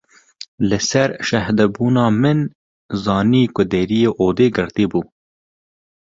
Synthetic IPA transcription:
lɨsɛɾʃɐhd̪ɛbuːnɑːmɪn | zɑːniːkʊd̪eɾijeːʔoːd̪eːɡɨɾt̪iːbuː

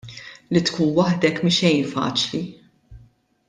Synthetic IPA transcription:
lit̪kuːnwɐħd̪ɛkmɪʃɛjnfɐ̰ːt͡ʃli

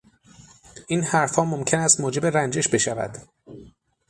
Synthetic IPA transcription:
ʔiːnhæɾfhɒːmomcʰe̞næst̪moːd͡ʒe̞be̞ɾænd͡ʒe̞ʃbe̞ʃævæ̰d̪̥

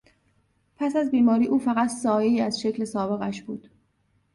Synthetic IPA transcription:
pʰæsæzbiːmɒːɾiːʔuːfæɣæt̪ʰsɒːjeiːæzʃe̞cʰle̞sɒːbe̞ɣæʃb̥uːd̪̥

